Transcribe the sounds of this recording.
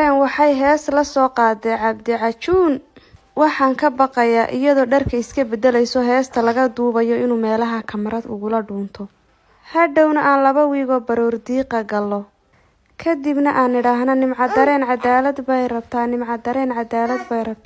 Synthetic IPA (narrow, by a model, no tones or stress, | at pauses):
ɛnwɑħɑjɦɛːslɐsɔːqɑːd̪ɛʕɑbd̪ɪʕɑt͡ʃuːn | wɑħɑːŋkʰɐbɑqɑjaːʔɪ̰jɐðɔːɖɐrkʰɐɪskʰɐbɛd̪ɛlɛjsɔːɦɛːst̪ʰɐlɐɣɐd̪uːβɐjɔɪnuːmɛːlɐɦɐkʰɐmɐɾɐd̪ʊ̰ɣʊlɐɖuːnt̪ʰɔ | hɐɖɔwnɐʔaːnlɐβɐwiːɣɔːbɐɾɔːrd̪iːqɐɡɐlːɔ | kʰɐd̪ɪbnɐʔaːnɪɽaːɦnɐnɪmʕɑd̪ɐɾɛːnʕɑd̪aːlɐd̪bɛjrɐb̚t̪ʰaːnɪmʕɑd̪ɐɾɛːnʕɑd̪aːlɐd̪bɛjrɐb̚t̪ʰː